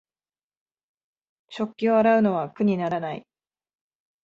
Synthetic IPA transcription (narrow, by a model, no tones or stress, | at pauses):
ɕo̞kʲːio̞aɾaɯ̟no̞β̞akɯ̟ɲ̟inaɾanaḭ